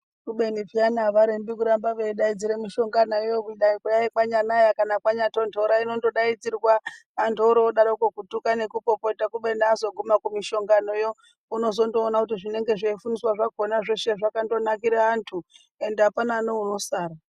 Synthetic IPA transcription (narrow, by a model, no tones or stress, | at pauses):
kuɓenipianaʋaɾembikuɾambaʋeiɗaid͡ziɾemiʃo̞ŋɡanaijokuɗaikujaikaɲanajakanakwaɲatontʰoɾainondo̞ɗaid͡zirwaː | ntʰoɾoɗaɾokokutukane̞kupo̞poitakuɓe̞niːzo̞ɡʱumakumiʃo̞ŋɡano̞jo̞ | uno̞s̬o̞ndoːnakutiʐine̞ŋɡe̞ʐeifuniswaʐakonaʐeʃe̞ʐakando̞nakiɾeantʰu | e̞ndeapananouno̞saːɾa